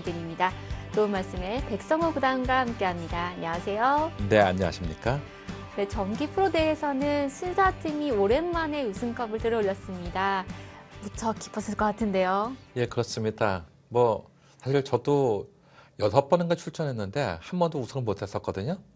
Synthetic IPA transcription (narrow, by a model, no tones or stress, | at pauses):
edɯɾimɲidatonmaɭs͈ɯme̞pe̞k̚s͈ʌŋɯkudaŋɡahamk͈e̞ɦamɲidaːɲʌwasʰe̞jone̞a̰ɲʌwa̰ɕʰimɲik͈a | ne̞t͡ɕʌmɡipʰɯɾode̞ɦesʰʌnɯnɕʰinsʰatʰimioɾe̞nmane̞usʰɯŋkʰʌbɯɭtɯɾʌoʎːʌs͈ɯmɲida | mut͡ɕʰʌki̥pʰʌsʰɯɭkʌk͈atʰɯnde̞joje̞kɯɾʌs͈ɯmɲida | mwʌ | sʰaɕʰiɭt͡ɕʌdo | jʌsʰʌp͈ʌnɯnɡat͡ɕʰuɭt͡ɕʰʌnɦe̞nːɯnde̞hambʌndousʰʌŋɯɭmotʰes͈ʌk͈ʌdɯɲo